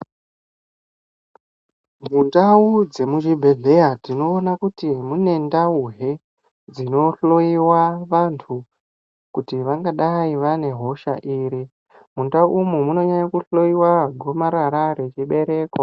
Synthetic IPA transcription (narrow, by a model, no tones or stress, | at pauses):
mundaud͡ze̞muʒibʱe̞ɮe̞jatino̞ːnakutimune̞ndauɦe̞ | d͡zino̞ɬo̞iwaʋantʰu | kutiʋaŋɡaɗaiʋane̞ɦo̞ʃaʔiːɾi | mundauʔumumuno̞ɲaɲakuɬo̞iwaɡʱo̞maɾaɾaɾe̞t͡ʃiɓe̞ɾe̞ːko